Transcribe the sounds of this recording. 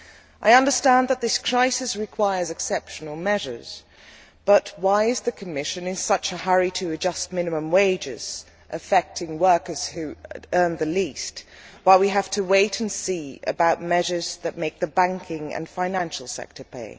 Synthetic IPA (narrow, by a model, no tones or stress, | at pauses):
ʔaɪʌ̃ndə˞stæ̃nðət̪̚ðɪskʰɹ̥aɪsɨsɹɨkʰw̥aɪə˞zɨksɛpʃn̩l̩ˠmɛʒə̰˞z̥ | b̥ʌt̚waɪɨzðɨkʰɨmɪʃɨ̃nɨ̃nsʌt͡ʃɨhʌɹiɾɨːd͡ʒʌst̚mɪ̃nɨmə̃mweɪd͡ʒɪ̰z̥ | ʔɨfɛk̚tɪ̃ŋwɜ˞kə˞z̥hʉɜ̃˞nðɨlist̚waɪwiɦæftʰɨweɪɾ̃n̩siɨ̰baʊt̚mɛʒə˞zðɨt̚meɪk̚ðɨbæ̃ŋkʰɪ̃ŋɨ̰̃nfãɪ̃næ̃nʃl̩ˠsɛ̰k̚tʰə˞pʰḛɪ